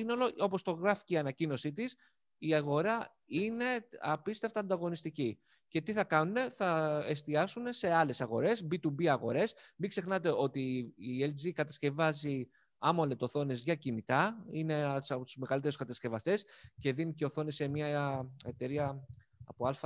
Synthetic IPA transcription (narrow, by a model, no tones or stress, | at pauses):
ino̞lo̞o̞po̞st̪o̞ɣɾɐfi̥ceiɐnɐcino̞sit̪is | iɐɣo̞ɾɐ | ine̞ɐpist̪eft̪ɐnd̪ɐɣo̞nist̪ici | ce̞t̪iθɐkɐnune̞θɐe̞st̪iɐsune̞se̞ɐle̞sɐɣo̞ɾe̞zbit̪ubiɐɣo̞̰ɾe̞smikse̞xnɐt̪e̞o̞t̪iːeld͡zikɐt̪ɐsce̞vɐzi | ɐmo̞le̞t̪o̞θo̞ne̞zʝɐcinit̪ɐine̞sɐpot̪uzme̞ɣɐlit̪e̞ɾuskɐt̪ɐscevɐst̪e̞sce̞ðinice̞oθo̞nese̞mɲɐe̞t̪e̞ɾiɐ | ɐ̰poɐlfɐ